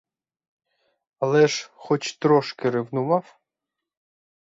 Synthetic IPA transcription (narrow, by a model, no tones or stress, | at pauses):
ɐlˠɛʒxɔt͡ʃt̪ɾɔʃkɪɾɪwnʊmɑw